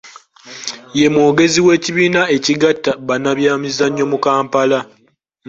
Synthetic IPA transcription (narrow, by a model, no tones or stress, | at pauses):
je̞mwoːɡe̞ziwe̞ːciβiːnae̞ciɡatːaβanaβjaːmizaɲːo̞mukaːmpala